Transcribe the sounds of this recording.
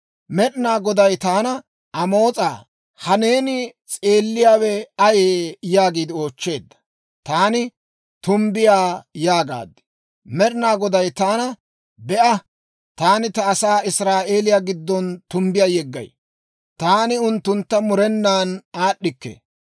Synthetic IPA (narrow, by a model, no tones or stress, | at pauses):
mɛɗɪnaːɡɔd̪ɐjt̪aːnɐ | ʔɐmo̞ːt͡sʼaː | hɐne̞ːnɪt͡sʼeːlːɪjaːwɛɐjeːjaːɡiːd̪ɪo̞ːt͡ʃːe̞ːd̪ːɐ̥ | t̪aːnɪ | t̪ʊmbɪjaːjaːɡa̰ːd̪ːɪ̥ | mɛɗɪnaːɡɔd̪ɐjt̪aːnɐ | bɛʔɐ | t̪aːnɪt̪ɐːsaːɪsɾaːʔe̞ːlɪjaːɡɪd̪ːɔnt̪ʊmbɪjaːjɛɡːɐ̰j | t̪aːnɪʊnt̪ːʊnt̪ːɐmʊɾɛnːaːnaːɗːɪkːḛ